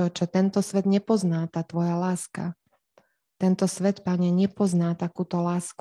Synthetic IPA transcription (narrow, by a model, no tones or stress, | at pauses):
ɔt͡ʃɛt̪ɛnt̪ɔsʋɛd̪ɲɛpɔznaːt̪aːt̪ʋɔjalaːska̰ | t̪ɛnt̪ɔsʋɛt̪paɲɛɲɛpɔznaːt̪akuːt̪ɔlaːsk